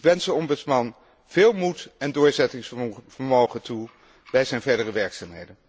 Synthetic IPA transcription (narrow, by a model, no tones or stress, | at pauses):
kʋɛnsəɔmbɵtsmɑn | v̥ɪːlˠmutɛndʊːɹzɛtɪŋsfəɹmowχəntu | bɛjzɛjnvɛɹdərəʋɛɹksaːmɦejdən